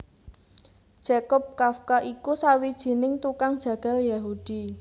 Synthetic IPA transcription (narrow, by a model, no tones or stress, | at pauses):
d̥ʒ̥akɔp̚kafkaʔikusawid̥ʒ̥i̤nɪŋt̪ukaŋd̥ʒ̥ä̤ɡ̥a̤ljaɦud̥i